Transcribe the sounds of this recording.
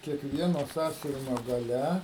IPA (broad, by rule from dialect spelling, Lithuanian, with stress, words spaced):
kʲiɛkˈʋʲiɛnoː ˈsɑːsʲʊʋʲɪnʲoː ɡɐˈlʲɛ